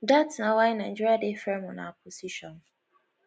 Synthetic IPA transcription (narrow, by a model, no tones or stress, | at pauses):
datnawajnãd͡ʒuɾadefɛmɔna̰p̚ʰosiʃɔn